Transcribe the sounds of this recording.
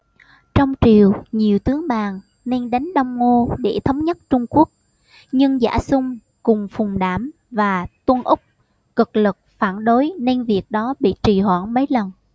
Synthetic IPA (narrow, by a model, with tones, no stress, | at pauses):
t͡ɕɔ˧wŋ͡mt͡ɕi˨˩əwɲi˨˩əwt̪ɨ˨˦əŋɓaː˨˩ŋ | ne˧nɗa˨˦jŋ̟ɗɔ˧wŋ͡mŋo˧ɗe˧˩t̪ʰə˨˦wŋ͡mɲə˦˥t̚t͡ɕʊ˧ŋ͡mku˦˥ək̚ | ɲɨ˧ŋza̰ː˧˩sʊ˧ŋ͡m | kʊ˨˩ŋ͡mfʊ˨˩ŋ͡mɗaː˧˩m | vaː˨˩t̪wə˧nʔʊ˦˥k͡p̚ | kɨ˨˩k̚lɨ˨˩k̚faː˧˩nɗo˨˦jne˧nvi˨˩ək̚ɗɔ˨˦ɓḭ˧˨t͡ɕi˨˩hwa̰ː˧˩nmə˨˦jlə˨˩n